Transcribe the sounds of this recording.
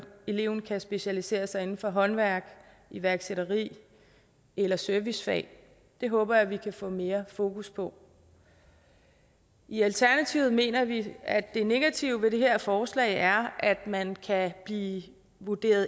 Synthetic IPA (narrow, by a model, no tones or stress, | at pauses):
e̝le̝ʊ̰n̩kʰæsb̥e̝ɕælise̝̰ːɐsɑ̈ɪe̝n̩fɒ̽ɦɒ̽nʋæɐ̰ɡ̥ | iʋæɐɡ̥seɾɐʁḭː | elɐsøɐʋisfɛ̰ː | d̥e̝ɦɔ̽ːb̥ɐæʋikʰæfɔ̰̽ːme̝ːɐfo̝ːkʰuspʰɒ̽ | ʔiælt͡sʰæɐnæt͡sʰiːʊð̩ˠme̝̰ːnɐʋiæd̥ːe̝ne̝ɡ̥æt͡sʰiʊʋe̝ɾe̝ɦeɐ̰fɒːslɛ̰ɪæɐʔæd̥mænkʰæb̥liː | ʋud̥e̝̰ːɐðˠ